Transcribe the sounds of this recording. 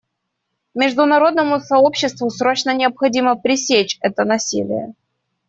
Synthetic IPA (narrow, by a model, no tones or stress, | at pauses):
mʲɪʐd̪ʊnɐɾo̞d̪̚nəmʊsɐo̞pɕːɪst̪vʊsɾo̞t͡ɕnənʲɪəpxɐdʲiməpɾʲɪsʲet͡ɕɛt̪ənɐsʲḭlʲɪ̰jə̰